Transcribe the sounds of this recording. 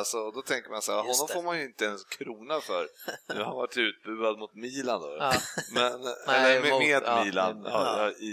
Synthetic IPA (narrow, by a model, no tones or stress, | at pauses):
lsɔd̪ɔt̪ʰɛŋkəɾmansæːɾɦɔnːɔmfoːɾmanjɵɪnt̪əɛnskʰɾuːnafœɾʉ̰hanvaʈːʉ̟ːt̪̚bʉ̟ːad̪̚mʊt̪miːland̪o̰ːmɛnɛlːəɾmɛmeːd̪miːla̰nːjɑ